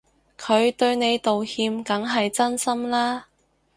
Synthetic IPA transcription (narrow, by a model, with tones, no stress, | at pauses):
kʰɵ˨˧ɥt̪ɵ˧ɥne˨˧jt̪o˨whiː˧mkɐ˨˥ŋɦɐ˨jt͡sɐ˥nsɐ˥mlaː˥